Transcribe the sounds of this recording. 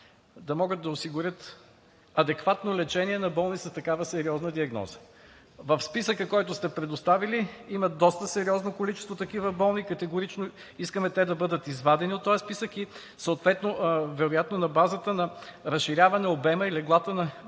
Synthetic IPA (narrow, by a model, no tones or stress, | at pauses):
d̪ɐmɔɡət̪̚d̪ɐʊsiɡʊɾʲət̪ | ɐd̪ɛkvat̪nolɛt͡ʃɛniɛnɐbɔlˠnisəst̪ɐkavəsɛɾiɔznəd̪iɐɡnɔ̰zə̥ | vɐfspisəkəkɔjt̪ʊst̪ɛpɾɛd̪ost̪aviliimɐd̪ɔst̪əsɛɾiɔznokolit͡ʃɛst̪vot̪ɐkivəbɔlˠnikɐt̪ɛɡʊɾit͡ʃno | iskəmɛt̪ɛd̪ɐbɤd̪ət̪izvad̪ɛniot̪ːoaspisəki | səot̪vɛt̪novɛɾojat̪nonɐbazət̪ənɐɾɐsʃiɾʲjavɐnɛobɛməilɛɡlˠat̪ənɐ